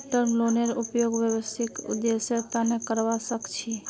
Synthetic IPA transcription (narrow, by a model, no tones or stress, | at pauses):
t̪əɾmloneɾupjoɡbjəbəst̪ʰikṵd̪ːesəɾt̪anekəɾʋasəkt͡ʃʰi